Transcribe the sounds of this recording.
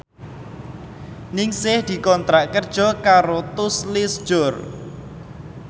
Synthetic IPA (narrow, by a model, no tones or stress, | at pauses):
nɪŋsɪhd̪̥i̤kɔnt̪ɾaʔkərd̥ʒ̥ɔ̤kaɾot̪ʊslisʒ̥ʊr